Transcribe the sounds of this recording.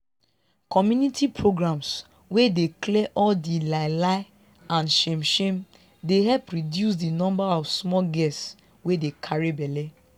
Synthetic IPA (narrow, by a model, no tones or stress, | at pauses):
kɔmjunitipʰɹoɡɹãms | wedeklɛʔɔldilaɪlaɪ | ãnʃemʃẽm | deɦɛpɹidjus̬dinɔ̃mbaɔfsmɔɡɛss | wedekʰaɹibɛlɛ